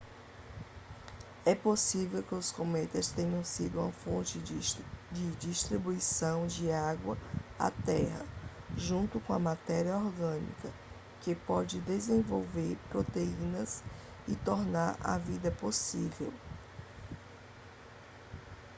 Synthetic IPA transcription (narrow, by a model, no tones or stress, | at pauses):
ɛposivewkɪʊskomɛt̪ɐst̪ẽɲɐ̃w̃sid̪ʊũmɐfõnt͡ʃɪ | d͡ʒɪd͡ʒiʃt̪ɾibuisɐ̃w̃d͡ʒɪaɡwɐa̰t̪ɛhɐ̰ | ʒũnt̪ʊkõɐmat̪ɛɾiɐɔɾɡɐ̃nḭkɐ | kɪpɔd͡ʒɪd̪ezẽvowveɾpɾot̪eĩnɐs | ɪt̪oɾnaɾa̰vid̪ɐposivḛw